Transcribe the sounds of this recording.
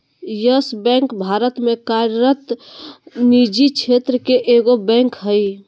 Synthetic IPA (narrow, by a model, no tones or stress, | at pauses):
jəsbɛ̃ŋkbʱaɾət̪mẽkaɾɾət̪ | nid͡ʒit͡ʃʰet̪ɾəkeʔeɡobɛ̃ŋkɦəj